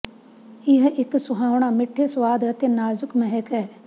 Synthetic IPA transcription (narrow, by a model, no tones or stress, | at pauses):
ɪɦʔɪksʊɦaːʋɳ̃amɪʈʰːesʋaːd̪t̪enaːzʊkmɛɦɛkɛ